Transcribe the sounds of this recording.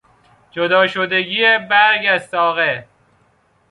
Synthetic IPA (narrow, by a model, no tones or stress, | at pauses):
d͡ʒod̪ɒːʃod̪eɡiebæɾɡæst̪ɒːɣe